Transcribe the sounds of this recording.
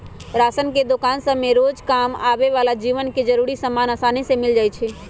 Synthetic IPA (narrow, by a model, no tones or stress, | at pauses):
ɾaːsənked̪okaːnsəmeɾoːd͡ʒkaːma̰beʋalad͡ʒiʋənked͡ʒəɾuɾisəmaːnaːsaːnisemɪld͡ʒaːjt͡ʃʰɛ